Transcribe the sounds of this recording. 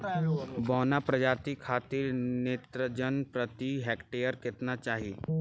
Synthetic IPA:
bɔːnapɾəd͡ʒaːt̪ikʰaːt̪ɪɾneːt̪ɾəd͡ʒənpɾət̪iɦɛːkʈeːjəɾkɪt̪nat͡ʃaːɦieː

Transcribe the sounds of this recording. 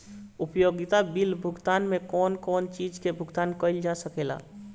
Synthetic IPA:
upjoɡit̪abilbʱʊɡt̪anmekɔːnkɔːnt͡ʃid͡ʒkebʱʊɡt̪ankəɪld͡ʒasəkela̰

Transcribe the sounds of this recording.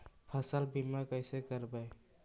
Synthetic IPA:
pʰəsəlbimakəjsekəɾbaj

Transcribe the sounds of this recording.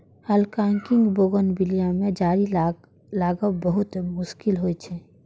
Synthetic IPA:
həlkãːŋkɪ̃ŋɡboːɡənbɪlijãmẽd͡ʒaːɾi | laːɡəbəɦʊt̪mʊʃkɪlɦoit͡ʃʰɛ

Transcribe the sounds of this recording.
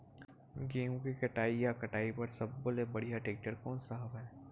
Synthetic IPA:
ɡeːũkikɐʈaːijakɐʈaːipɐɾsɐbːolebɐɽ̤ijaʈeːk̚ʈəɾkɔːnsəɦəbɦɛː

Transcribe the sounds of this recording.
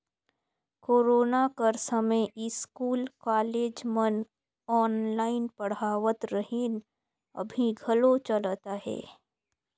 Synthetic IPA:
koːɾoːnakəɾsɐmẽjɪskuːlkaːleːd͡ʒmən | ɔːnlaːɪnpɐɽ̤aːʋət̪ɾɐɦeːn | ɐ̰bʱiɡʱɐlot͡ʃɐlt̪aɦɛ̰ː

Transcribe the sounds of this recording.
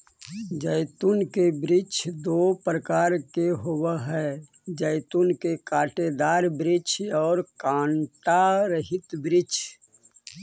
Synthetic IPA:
d͡ʒəɪt̪unkebɾɪt͡ʃʰd̪opɾəkaːɾkeɦowəɦɛ | d͡ʒəɪt̪unkekaːʈed̪aːɾbɾɪt͡ʃʰɔːɾkãːɳʈaɾəɦɪt̪bɾɪt͡ʃʰ

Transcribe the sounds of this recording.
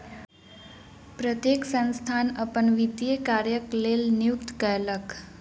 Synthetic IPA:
pɾət̪jeksə̃ñst̪ʰanəpəɳʋit̪jekaɾjəklelnijukt̪kəjlək

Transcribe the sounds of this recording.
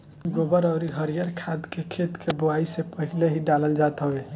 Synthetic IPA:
ɡobəɾəʊɾiɦəɾijəɾkʰad̪kekʰet̪kʰebuaisepəɦileɦiɖaləld͡ʒat̪ɦəbe

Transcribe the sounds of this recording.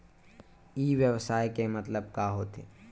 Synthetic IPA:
iːʋjəwsaːekemɐt̪ləb̚kaɦoːt̪ḛː

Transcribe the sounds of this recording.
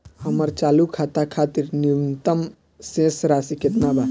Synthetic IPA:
həməɾt͡ʃaːlukʰat̪akʰat̪iɾnint̪əm | sẽsɾasiket̪naba

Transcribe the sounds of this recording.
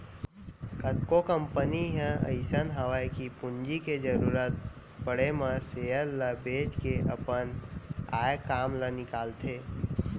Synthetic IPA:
kət̪kokəmpəniɦə̃ə̰ɪsənɦəʋajkipʊnd͡ʒiked͡ʒəɾuːɾət̪̚ | pəɽeməseːəlːəbeːd͡ʒkeʔə̰pəna̰ːjkaːmlənɪkaːlt̪ʰeː

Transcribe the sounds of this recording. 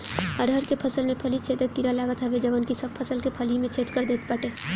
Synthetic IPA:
əɽʱəɾkepʰəsəlmẽpʰəlit͡ʃʰeːt̪əkːiɾalaːɡət̪ɦɛʋed͡ʒəʋənkisəb̚pʰɐsəlkepʰəlimẽt͡ʃʰeːt̪kəɾd̪eːt̪pəʈeː

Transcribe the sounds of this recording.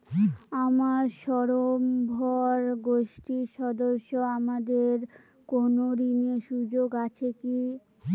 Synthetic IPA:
amaɾʃɔɾombʱɔɾɡoʃʈiɾʃɔd̪oʃːoamad̪eɾ | konoɾineʃud͡ʑoɡat͡ɕʰeki

